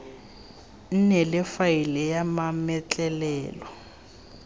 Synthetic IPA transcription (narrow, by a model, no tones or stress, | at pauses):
n̩nɛlɪfailɛjamamɛt͡ɬʼɛlɛːlɔ